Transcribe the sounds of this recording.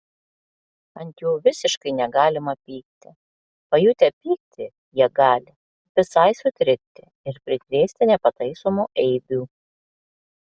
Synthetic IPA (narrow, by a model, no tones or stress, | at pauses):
ɐnʲt̪juːʋʲɪsʲɪʃkɐɪnʲɛɡɑːlʲɪmɐpʲiːk̚t̪ʲɪ | pɐjuːt̪ʲɛpʲiːk̚t̪ʲɪ | jiɛɡɑːlʲɪ | ʋʲɪsɐɪsʊt̪ʲɾʲɪk̚t̪ʲɪ | ɪɾpʲɾʲɪt̪ʲɾʲeːsʲt̪ʲɪnʲɛpɐt̪ɐɪsoːmuːʔɛɪbʲuː